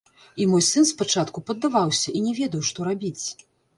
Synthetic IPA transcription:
imɔjsɨnspat͡ʂat̪kupɐd̪ːavawsʲɐʔinʲɛvʲɛd̪ɐwʂt̪ɔɾabʲit͡sʲ

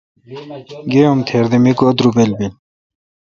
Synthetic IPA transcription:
ɡeomt̪ʰeːɾd̪emikuɐd̪ɾubelbil

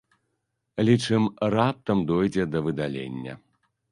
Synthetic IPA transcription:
lʲit͡ʂɨmrap̚t̪ɐmd̪ɔjd͡zʲɛd̪ɐvɨd̪alʲḛnʲːɐ̰

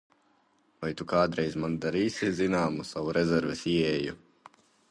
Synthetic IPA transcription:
vajt̪ukaːd̪ɾɛjzmand̪aɾiːsʲizinaːmusavuɾɛzɛɾvɛsiɛju

